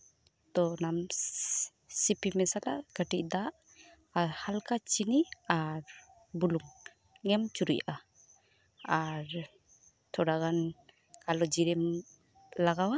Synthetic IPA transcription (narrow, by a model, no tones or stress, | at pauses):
t̪ɔnam | sipimɛsala̰ɡəʈiʔ̚d̪aʔ | aɾhalkat͡ʃiniaɾ | buluŋː | ɛmt͡ʃuɾiʔa | aɾ | t̪ʰɔɽaɣan | kalɔd͡ʒiɾɛm | laɡawa